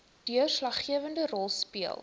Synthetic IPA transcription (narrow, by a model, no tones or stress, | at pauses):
d̥yərslɐχːiəvəndərɔlˠspiəlˠ